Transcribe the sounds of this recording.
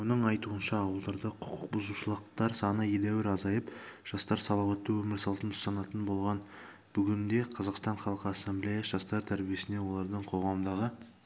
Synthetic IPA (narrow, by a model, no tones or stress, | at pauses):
wonəɴɑjt̪uənʃɑːwəlˠd̪ɑɾd̪əqʰʊ̥qʊq̚bʊzuʃəlˠəq̚t̪ɑɾsɑnəjelæwɪɾɑzɑjəpʒ̥ɑst̪ɑɾsɑlˠɑwɑt̪ːewɵmɪɾsɑlˠt̪ənt̪ʰʊ̥sɑnɑt̪ənbo̞lˠʁɑn | b̥ʏɡʲɪnd̪e̞qʰɑzɑqst̪ɑɴχɑlˠqəasːemblʲijɑʒ̥ɑst̪ɑɾt̪ʰæɾbije̞sɪne̞wo̞lˠɑɾd̪əɴqʰo̞ʁɑmd̪ɑʁə